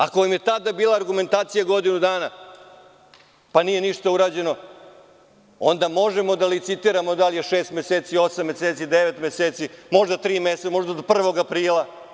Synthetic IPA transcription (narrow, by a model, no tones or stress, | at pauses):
akojimjet̪ad̪abiːlˠaːɾɡume̞nt̪aːt̪sijaɡo̞d̪inud̪aːna | panije̞niʃt̪auɾaːd͡ʑe̞no̞ | o̞nd̪amo̞ʒemo̞d̪alit̪sit̪iːɾamo̞d̪alijeʃeːst̪me̞seːt̪sio̞samːe̞seːt̪sid̪eʋet̪me̞seːt̪simo̞ʒd̪at̪ɾiːmesemo̞ʒd̪ad̪pr̩ʋo̞ɡapɾiːlˠa